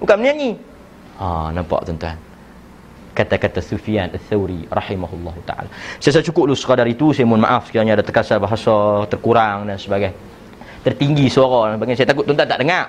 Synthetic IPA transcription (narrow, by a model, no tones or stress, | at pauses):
ukaməniaŋi | ɔ̰nampa̰ʔt̪ɔnt̪ua̰n | kat̪akat̪asufianʔaθawɾirɑħimaɦulːɔɦut̪a̰ʔa̰lasajas̬ajat͡ʃukʊp̚lusə̥kadaɾit̪usajmʊnma̰ʔafsə̥kiaɲaːdat̪ərkasabaɦasɔt̪ərkuɾaŋdansəbaɡaj | t̪ərt̪iŋɡisoɾɔbaɡas̬ajat̪akʊt̪ːɔnt̪uant̪aʔdəŋaʔ